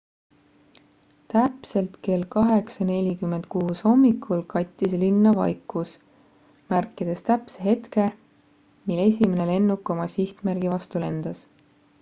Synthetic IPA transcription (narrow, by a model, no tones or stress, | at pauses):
t̪æpse̞lt̪ke̞lkɑɦe̞ksɑne̞lʲikymːend̪̥̚kuːsho̞mːikʰːˑulkɑjt̪ʲˑːislinːɑvɑ̰jkːˑus | mærkːˑid̪̥e̞st̪æpseɦe̞t̪ke̞ | mile̞s̬ʲime̞ne̞le̞nːukːˑo̞mɑsiht̪mærɡivɑst̪ule̞nd̪̥ɑs